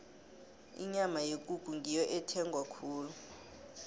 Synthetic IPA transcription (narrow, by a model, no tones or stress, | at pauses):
ḭɲamajek̬ʼuɡ̥ʱuŋijɔʔɛtʰɛŋɡʱwakʰuːlu